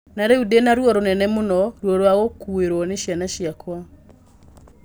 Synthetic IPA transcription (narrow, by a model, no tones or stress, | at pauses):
naɾɛudenaɾwɔɾonɛnɛmonɔɾwɔɾwaɣokueɾwɔneʃianaʃiakwa